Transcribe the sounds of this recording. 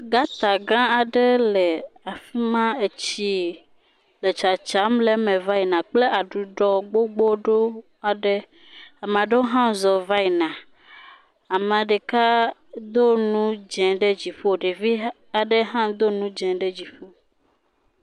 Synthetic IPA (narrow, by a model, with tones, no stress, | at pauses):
ɡa˦t̪a˨ɡã˦a˨ɖe˦le˨a˨fi˦mã˦e˨t͡ɕi˦ | le˨t͡ʃa˨t͡ʃa˨˦mle˦mɛ̃˨va˦i˨nã˨k͡ple˦ʔa˨ɖu˨ɖɔ˨ɡ͡bo˦ɡ͡bo˦ɖo˦ | a˨ɖe˦ | a˨m˨a˨ɖe˦o˦ɦã˦zɔ˨va˦i˨nã˨ | a˨mã˨ɖe˨ka˦d̪o˦nũ˦d͡ʒɛ̃˨ɖe˦d͡ʑi˨ɸo˦˨ɖe˨vi˦ | a˨ɖe˦ɦã˦d̪o˦nũ˦d͡ʒɛ̃˨ɖe˦d͡ʑi˨fo˦